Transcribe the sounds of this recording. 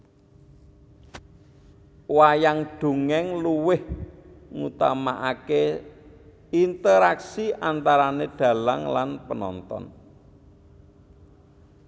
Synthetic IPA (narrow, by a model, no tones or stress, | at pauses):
wajaŋɖ̥ṳŋɛŋluwɪh | ŋṵt̪amaʔake | int̪əɾaksiʔant̪aɾaneɖ̥ä̤laŋlanpənɔ̰nt̪ɔ̰n